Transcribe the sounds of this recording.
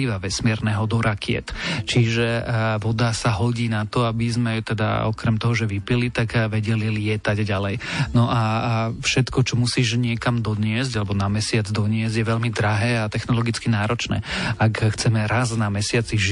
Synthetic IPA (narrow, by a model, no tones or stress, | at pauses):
iːʋaʋɛsmɪɛɾnɛɦɔd̪ɔɾakɪɛ̰t̪t͡ʃiʒɛʋɔd̪asaɦɔɟiːnat̪ɔabizmɛt̪ɛd̪a̰ɔ̰kɾɛmt̪ɔɦɔʒɛʋipilit̪aɡʋɛɟɛlilɪɛt̪aɟɟalɛj | nɔʔafʃɛt̪kɔt͡ʃɔmusiːʒɲɪɛkamd̪ɔd̪ɲɪɛzɟalɛbɔnamɛsɪad͡zd̪ɔɲɪɛzɟjɛʋɛʎmid̪ɾaɦɛːat̪ɛxnɔlɔɡit͡skinaːɾɔt͡ʃnɛ̰ːakxt͡sɛmɛɾaznamɛsɪat͡siʒ